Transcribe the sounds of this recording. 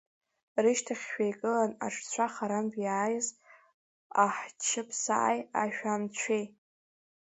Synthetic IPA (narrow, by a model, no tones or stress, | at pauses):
rɨʃtʰaχʲʃᶣajkʼɨlana̰ʈ͡ʂʼt͡sʷʰaχaɾambjaːjɪz | a̰ħt͡ʃʰɪpʰsa̰ʔa̰ja̰ʃᶣamt͡ɕʷʰej